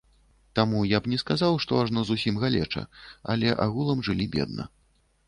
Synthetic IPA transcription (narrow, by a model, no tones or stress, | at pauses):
t̪amujabnʲɛskazawʂt̪ɔaʐnɔzusʲimɣalʲɛ̰t͡ʂɐ̰alʲɛʔa̰ɣulˠɐmʐɨlʲibʲɛ̰d̪̚nɐ̰